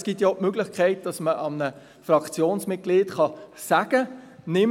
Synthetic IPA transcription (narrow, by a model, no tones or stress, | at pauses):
sɡ̥itjɑpmøɡlɪχkʰɛɪt̚d̥ɑsməʔɑmnə | frɑkt͡sjoːnsmɪt̚ɡ̥liːtχɑsæɡ̥ənɪm